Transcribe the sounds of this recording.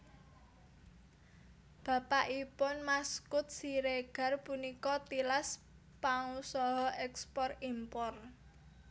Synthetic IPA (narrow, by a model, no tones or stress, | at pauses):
b̥ä̤paʔipʊnmaskʊt̪̚siɾeɡ̥a̤rpunikɔt̪ilas | paŋusɔɦɔʔɛkspɔrimpɔr